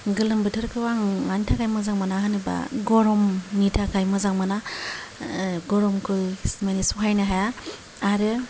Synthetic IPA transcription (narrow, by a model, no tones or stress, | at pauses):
ɡɯlɯmbɯtʰɯɾkʰɯwaŋantʰakʰajmɯzaŋmanahɯnɯba̰ɡɔɾɔmnitʰakʰajmɯzaŋmana | ɡɔɾɔmkʰɯsmanisuɦajnɯɦajaː | ɾɯ